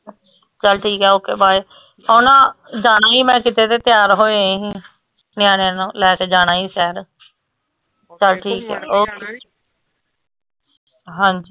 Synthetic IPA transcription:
t͡ʃəlʈʰiːkɦɛːoːkeːbaːi | oːnãːd͡ʒaːnaːiːmɛ̃ːkɪt̪eːt̪eːt̪ɪjaːɾɦoːeɦĩː | nɪjãːnenũːlɛːkeːd͡ʒaːnãːiːsɛːɾ | t͡ʃəlʈʰiːkɦɛ̰ːoːke | ɦãːnd͡ʒiː

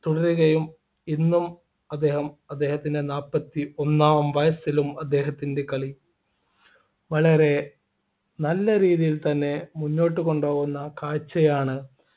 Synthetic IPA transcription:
t̪uɽɐɾuɣɐjum | inːum | ɐd̪ːe̞ːhɐmɐd̪ːe̞ːhɐt̪ːinde̞naːpːɐt̪ːio̞nːaːʋɐmʋɐjɐsilumɐd̪ːe̞ːɦɐt̪ːinde̞kɐɭi | ʋɐɭɐɾe̞ | nɐlːɐɾiːðijilt̪ɐnːe̞munːo̞ːʈːɨko̞ɳɖoːɣunːɐkaːt͡ɕːɐjaːɳɨ

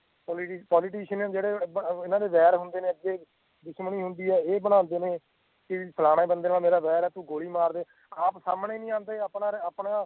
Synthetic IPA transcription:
pɔliʈːpɔːlɪʈiːʃənɛd͡ʒeːɽeːɪnãːd̪eːʋɛːɾɦʊnd̪eːneːəɡeː | d̪ʊʃməɳiːɦʊnd̪iːɛːeːbəɽ̃ãːnd̪eːnẽː | kɪpʰəlaːɽẽːbənd̪eːnãːmeːɾaːʋɛːɾɛːt̪ũːɡoːɽiːmaːɾd̪eː | aːpsaːmɳeːnĩːãːnd̪eːaːpɳaːɾapɳaː

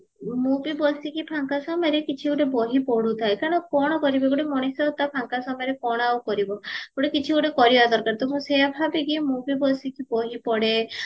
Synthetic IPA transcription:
mũpibɔsikipʰaŋkasɔmɔjɾekit͡ʃʰiuʈebɔɦipɔɽut̪ʰajkaɾɔɽ̃ɔkɔɽ̃ɔkɔɾibɔɡuʈemɔɽ̃isɔt̪apʰaŋkasɔmɔjɾekɔɽ̃awkɔɾibɔeɡuʈekit͡ʃʰiuʈekɔɾibad̪ɔɾkaɾt̪umũseabʱabiɡimupibɔsikʰibɔɦipɔɽe

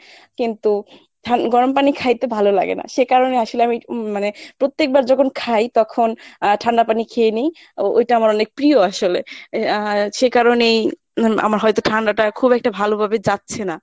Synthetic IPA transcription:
kint̪u | ʈʰaɡɔɾompanikʰajt̪ebʱalola̰ɡḛna̰ʃekaɾonejaʃoleamimanepɾot̪ːek̚baɾd͡ʑɔkʰonkʰajt̪ɔkʰonʈʰaɳɖapanikʰeenej | o̰jʈaamaɾɔnek̚pɾioaʃole | ʃekaɾonej | a̰maɾɦɔjt̪oʈʰaɳɖaʈakʰubɛk̚ʈabʱalobʱabed͡ʑatːɕʰena

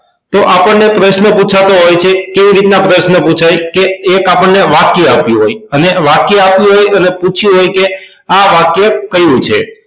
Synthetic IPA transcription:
t̪oʔapəɳnepɾəʃnəput͡ʃʰat̪oɦojt͡ʃʰekeʋiɾit̪napɾəʃnəput͡ʃʰajkeːkapəɳːeʋakjəapjũɦojəneʋakjəapjũɦojəneput͡ʃʰjũɦojke | aʋakjəkəjũt͡ʃʰḛ

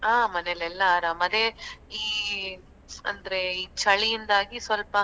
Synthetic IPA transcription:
aːmɐnelɛlːɐːɾaːmɐd̪eiː | ɐ̰nd̪ɐɾeiːt͡ʃɐɭijind̪aːɡisʋɐlpɐ

